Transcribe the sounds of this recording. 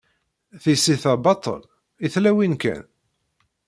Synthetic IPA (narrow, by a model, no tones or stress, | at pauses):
θisiθæbɑt̪ˤə̰l | iθlæwinkæ̰n